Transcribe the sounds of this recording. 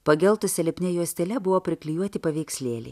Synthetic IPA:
pɐɡʲɛlˠt̪ʊsʲɛlʲɪpʲnʲɛjuɔsʲt̪ʲɛlʲɛbʊʋoːpʲɾʲɪklʲɪjuɔt̪ʲɪpɐʋʲɛɪksʲlʲeːlʲɛ̰ː

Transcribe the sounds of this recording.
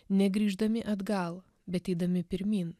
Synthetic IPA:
nʲɛɡɾʲiːʒd̪ɐmʲɪʔɐd̪ɡɐlˠ | bʲɛt̪ɛɪd̪ɐmʲɪpʲɪɾʲmʲiːn

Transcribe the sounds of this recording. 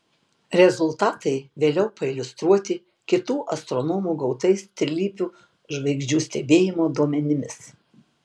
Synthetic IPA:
ɾʲɛzʊlˠt̪ɑːt̪ɐɪʋʲeːlʲɛʊpɐɪlʲʊst̪ɾuɔt̪ʲɪ | kʲɪt̪uːʔɐst̪ɾɔnoːmuːɡɒʊt̪ɐɪst̪ʲɾʲɪlʲiːpʲuː | ʒʋɐɪɡʒʲd͡ʒʲuːsʲt̪ʲɛbʲeːjɪmoːd̪uɔmʲɛnʲɪmʲɪs

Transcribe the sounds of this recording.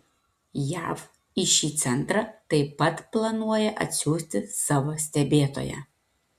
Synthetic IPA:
jæ̰ːf | ɪʃʲiːt̪sʲɛnt̪ɾɑt̪ɐɪpɐt̪plˠɐnuɔjɛʔɐ̰t̪ʲsʲuːsʲt̪ʲɪsɑːʋoːsʲt̪ʲɛbʲeːt̪o̰ːjɛ̰

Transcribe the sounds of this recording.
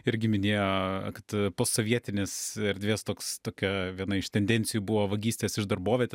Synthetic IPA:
ɪɾʲɡʲɪmʲɪnʲeːjoːkɐt̪poːsoːʋʲiɛt̪ʲɪnʲeːsɛɾʲd̪ʲʋʲeːst̪oːkst̪oːkʲɛʋʲiɛnɐɪʃt̪ʲɛnʲd̪ʲɛnʲsʲɪjuːbʊʋoːʋɐɡʲiːsʲt̪ʲeːsɪʃd̪ɐrboːʋʲɛt̪ʲː

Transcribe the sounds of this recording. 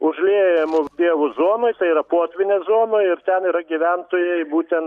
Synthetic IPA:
ʊʒʲlʲeːjɛmʊd̪ʲiɛʋʊzoɔnojt̪ɐɪiɾɐpoːt̪ʲʋʲɪnʲeːzoɔmoːjɪɾt̪ʲɛniɾɐɡʲiʋʲɛnt̪oːjɛɪbuːt̪ʲɛn

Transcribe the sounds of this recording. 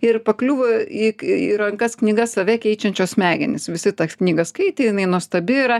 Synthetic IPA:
ɪrpɐklʲuːʋoiːiɾɐŋkɐsknʲiːɡɐsɐʋʲɛkʲɛɪt͡ʃʲɛnʲt͡ʃʲoːsmʲæːɡʲɛnʲɪsʋʲɪsʲɪt̪ɐknʲiːɡɐskɐɪt̪ʲeːjɪnɐɪnuɔst̪ɐbʲɪɪɾɐ

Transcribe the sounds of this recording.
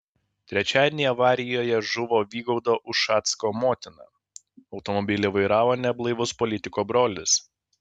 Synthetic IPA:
t̪ʲɾʲɛt͡ʃʲæːd̪ʲnejɛɐʋɑːɾʲɪjoːjɛʒʊʋoːʋʲiːɡɔʊd̪oːʔʊʃːɑːt̪skoːmoːt̪ʲɪnɑ̰ː | ɒʊt̪ɔmɔbʲɪlʲeʋɐɪɾɑːʋoːnʲɛblˠɐɪʋʊspɔlʲɪt̪ʲɪkoːbɾoːlʲɪs

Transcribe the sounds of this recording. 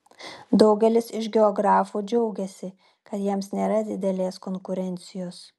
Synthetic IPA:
d̪ɒʊɡʲɛlʲɪsɪʃɡʲɛɔɡɾɑːfuːd͡ʒʲɛʊɡʲɛsʲɪ | kɐt̪jiɛmsnʲeːɾɐd̪ʲɪd̪ʲɛlʲeːskoŋkʊɾʲɛnʲt̪sʲɪjoːs

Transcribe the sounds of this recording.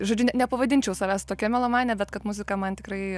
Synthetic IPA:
ʒoːd͡ʒʲʊnʲɛnʲɛpɐʋɐd̪ʲɪnʲt͡ʃʲɛʊsɐʋʲæːsʲt̪oːkʲɛmʲɛlˠomɑːnʲɛbʲɛt̪kɐt̪mʊzʲɪkɐmɐnt̪ʲɪkrɐɪ

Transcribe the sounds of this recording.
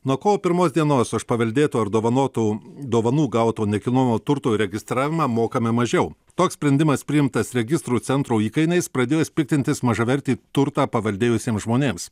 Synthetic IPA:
nuɔkoːoːpʲɪɾmoːsd̪ʲiɛnoːsɐʃpɐʋʲɐlʲd̪ʲeːt̪uːɐɾd̪oːʋɐnoːt̪uːd̪oːʋɐnuːɡɐʊt̪oːnʲɛkʲɪnoːmʲoːt̪ʊɾt̪oːiɾʲɛɡʲɪst̪ɾɑːʋʲɪmɑːmoːkɐmʲɪmɐʒʲɛʊt̪oːkssʲpʲɾʲɛnʲd̪ʲɪmɐspʲɾʲɪjɪmt̪ɐsɾʲɛɡʲɪst̪ɾuːt̪sʲɛnt̪ɾuːiːkɐɪnɐɪspɾɐd̪ʲeːjoːspʲɪk̚ʲt̪ʲɪnt̪ʲɪsmɐʒɐʋʲɛɾʲt̪ʲiːt̪ʊɾt̪ɑːpɐʋɐlʲd̪ʲeːjʊsʲeːmsʒmoːnʲeːms

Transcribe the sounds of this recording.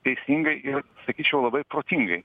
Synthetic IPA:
t̪ʲɛɪsʲiŋɡɐɪʔɪrsɐkʲiːt͡ʃʲɛʊlˠɐbɐɪpɾoːt̪ʲɪŋɡɐɪ

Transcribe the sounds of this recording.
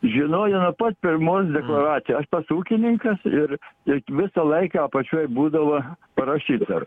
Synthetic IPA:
ʒʲɪnoːjɛnʊpɐt̪pʲɪrmoːs̬d̪ʲɛklˠɐɾɑːt̪sʲɪjɛɐʃpɐsuːkʲɪnʲɪŋkɐsɪrɪʋʲɪsɐlˠɐɪkɑɐpɐt͡ʃʲuɔjbuːd̪ɐʋɐpɐɾɐʃʲiːt̪ɐ̰r

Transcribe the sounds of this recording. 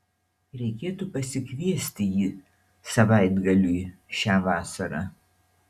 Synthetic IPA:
ɾʲɛɪkʲeːt̪upɐsʲɪkʲʋʲiɛsʲt̪ʲɪjiː | sɐʋɑˑɪd̪ɡɐlʲuɪʃʲæːʋɑːsɐɾɑ̰

